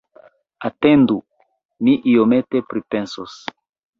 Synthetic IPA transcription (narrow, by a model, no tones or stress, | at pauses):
atendu | miʔiome̞te̞pɾipensos